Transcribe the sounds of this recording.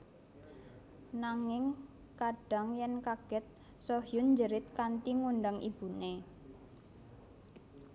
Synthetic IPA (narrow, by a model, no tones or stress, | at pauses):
naŋɪŋ | kaɖ̥a̤ŋjɛnkaɡ̥ɛt̪̚ | soɦjʊnd͡ʒəɾɪt̪̚kant̪iŋunɖaŋʔib̥ṳne